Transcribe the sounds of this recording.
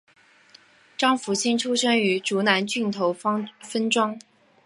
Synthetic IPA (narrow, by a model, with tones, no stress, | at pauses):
ʈ͡ʂɑ˥ŋfu˧˥t͡ɕʰi˥nʈ͡ʂʰu˥ʂɤ˥ŋy˧˥ʈ͡ʂu˧˥na˧˥nt͡ɕy˥˩nt̪ʰo˧˥ʊ˥fə˥nʈ͡ʂwɑ˥ŋ